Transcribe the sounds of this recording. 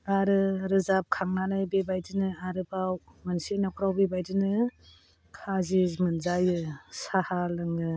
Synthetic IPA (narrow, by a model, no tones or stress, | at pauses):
aɾɯɾɯzap̚kʰaŋnanajbebajdinɯaɾɯbawmansenakʰɾawbebajdɯnɯ | kʰazizmɯnzajɯsahalɯŋɯ